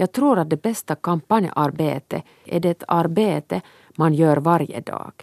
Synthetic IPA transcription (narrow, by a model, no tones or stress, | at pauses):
jɑːɡ̚t̪ʰɾuːɾat̪̚d̪ɛbɛst̪akʰampanjə̰ʔaɾbḛːt̪ə | ʔɛɖɛɛt̪ʰaɾbeːt̪ə | manjøːɾvaɾjə̰d̪ɑ̰ːɡ̥